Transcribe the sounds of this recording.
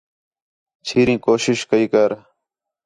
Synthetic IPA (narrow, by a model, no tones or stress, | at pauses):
t͡ʃʰiːɾĩːkoːʃɪʃkəiːkəɾ